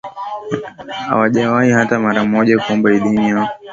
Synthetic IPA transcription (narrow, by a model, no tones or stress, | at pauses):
ha̰waʄawaihatamaɾamɔʄakuɔmbaiɗiɲia